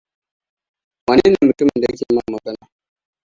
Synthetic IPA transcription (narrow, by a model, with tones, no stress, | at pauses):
wa˨ni˦na˨mu˨tu˦m˨nde˦ki˦ma˦˨ma˨bɛ˦na˨